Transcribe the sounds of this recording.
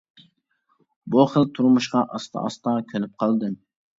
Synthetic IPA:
buχəlˠt̪ʰuɾmuʃqɑʔɑst̪ʰɑ̰ɑst̪ɑkʲʰølyp̚qʰɑlˠd̪ɨ

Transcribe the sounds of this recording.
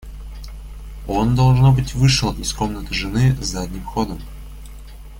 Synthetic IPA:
o̞nd̪ɐlˠʐno̞bɨtʲvɨʂɨlˠɪsko̞mnət̪ɨʐɨnɨzzadʲnʲimxo̞d̪əm

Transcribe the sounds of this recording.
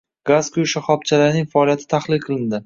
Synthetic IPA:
ɡ̥azkʰʊjʃaχɒp̚t͡ʃʰalaɾnɪŋfaɒlijat̪ʰɪ̥t̪ʰaχlˠɪlqʰɨlˠɪnd̪ɪ

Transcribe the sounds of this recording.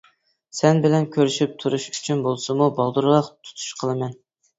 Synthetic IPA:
sɛnbɪlɛnkʲʰøɾyʃyp̚t̪ʰuɾuʃyt͡ʃʰynbolˠsɨmubɑlˠd̪uɾlˠɑqt̪ʰu̥t̪ʰu̥ʃqʰəlˠɨmɛn

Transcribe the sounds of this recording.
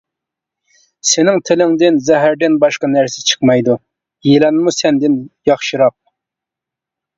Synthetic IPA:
sɪnɪŋt̪ʰɪlɪŋd̪ɪnzɛɦæɾd̪ɪnbɑʃqɑnæɾsɪ̥t͡ʃʰə̥qmɑjd̪u | jelɛnmusɛnd̪ɪnjɑχʃɨɾɑp̚

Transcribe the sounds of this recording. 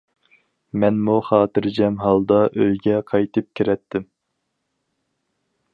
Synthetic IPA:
mɛnmuχɑːt̪ɨɾd͡ʒɛmɦɑlˠd̪ɑʔøjɡʲɛqʰɑjt̪ɨp̚kʲʰiɾɛt̪ʰːɪm

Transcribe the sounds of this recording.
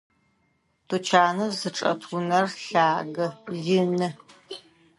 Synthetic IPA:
tʰut͡ʃʰaːnɐzɨʈ͡ʂʼɐ̰tʰʊnɐrɬaːɡɐɮɪnɨ

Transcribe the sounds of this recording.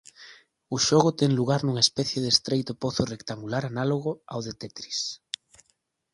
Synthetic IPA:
ʊʃoɣʊt̪ɛŋluɣaɾnuŋaespɛθjeðest̪ɾejt̪ʊpoθorekt̪aŋɡulaɾanaloɣ̞ʊa̰wðet̪ɛt̪ɾis

